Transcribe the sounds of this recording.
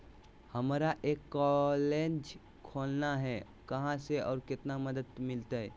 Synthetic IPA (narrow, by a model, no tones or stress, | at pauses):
həmɾaʔeːkːɔled͡ʒ | kʰoːlnaɦɛ | kəɦãseɔːɾkɪt̪naməd̪əd̪mɪlt̪aɦɛ